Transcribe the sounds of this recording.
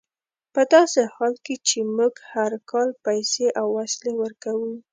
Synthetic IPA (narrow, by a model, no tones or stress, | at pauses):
pəd̪ɑsehɑlket͡ʃemuɡhaɾkɑlpajseʔawːaslewəɾkawu